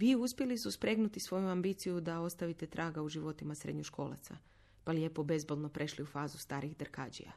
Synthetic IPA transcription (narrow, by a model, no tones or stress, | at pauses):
ʋiːuspʲjelisuspɾe̞ɡnut̪isʋo̞juambiːt̪sijud̪ao̞st̪aʋit̪e̞t̪ɾʔaːɡauʒiʋo̞t̪imasɾḛd̪ɲoʃkʰo̞̰ːla̰t̪sa̰ | palje̞ːpo̞be̞zbolno̞pɾʔe̞ʃliufaːzust̪aːɾiɣd̪rkaːd͡ʒḭa̰